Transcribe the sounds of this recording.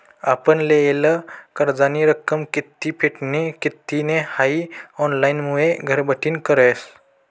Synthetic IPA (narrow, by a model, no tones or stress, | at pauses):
apənleeləkəɾd͡zaniɾəkːəmkit̪ːipʰeʈnekit̪ːinehaiɔnlainmueɡʱəɾbəʈʰiːnkəɾəs